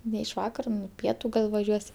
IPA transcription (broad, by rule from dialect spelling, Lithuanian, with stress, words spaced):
nʲɛ ɪʃ ˈʋɑːkɐrɐ ˈpʲiɛtʊ ˈɡɐlˠ ʋɐˈʒʲuɔsʲ